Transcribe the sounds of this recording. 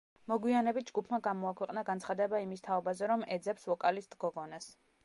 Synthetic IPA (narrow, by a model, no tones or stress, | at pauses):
mɔɡwianɛbit̪̚d͡ʒɡupʰmaɡamɔakʰwɛqʼnaɡant̪sʰχad̪ɛbaimist̪ʰaɔbazɛɾɔmɛd̪zɛpsvɔkʼalisd̪ɡɔɡɔnas